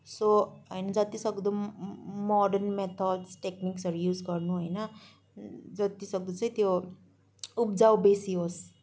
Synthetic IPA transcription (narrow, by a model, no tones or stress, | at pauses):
soɦʌjnʌd͡zʌt̪isʌɡd̪ummɔɖʌrnmet̪ʰʌɖsʈekniksʌɾujud͡zɡʌrnuɦojnʌ | d͡zʌt̪isʌɡ̚d̪ut͡sʌĩt̪jo | up̚d͡zawbesiɦos